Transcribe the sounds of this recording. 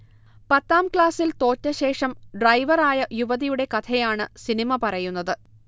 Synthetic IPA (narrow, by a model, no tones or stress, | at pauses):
pɐt̪ːaːmkɭaːsilt̪o̞ːtːɐɕe̞ːʂɐmɖrɐjʋɐraːjɐjuʋɐðijuɽe̞kɐt̪ʰɐjaːɳɨsinimɐpɐrɐjunːɐðɨ